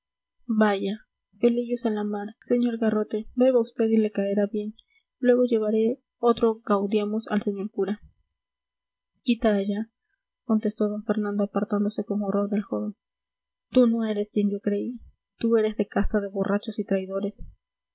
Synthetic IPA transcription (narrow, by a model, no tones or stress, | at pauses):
baʝa | feliʝosalamaɾse̞ɲo̞ɾɣaro̞t̪e̞beβaust̪e̞ðile̞kaeɾaβje̞n | lwe̞ɣo̞ʝe̞βaɾe̞ | o̞t̪ɾo̞ɣawd̪jamosa̰lse̞ɲo̞ɾkuɾa | kit̪aːʝa | ko̞nt̪e̞st̪o̞ðoɱfe̞ɾnãnd̪oapaɾt̪and̪o̞se̞ko̞moro̞ɾðe̞lxo̞βe̞n | t̪uno̞e̞ɾe̞skje̞nd͡ʒo̞kɾe̞i | t̪ue̞ɾe̞zðe̞kast̪aðe̞βo̞rʔat͡ʃo̞sit̪ɾajðo̞ɾe̞s